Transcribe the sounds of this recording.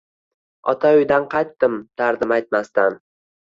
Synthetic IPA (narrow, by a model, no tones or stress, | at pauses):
ɒt̪ʰaʊjd̪anqʰɑjt̪ːɪmd̪̥aɾd̪ɪmajt̪̚mast̪an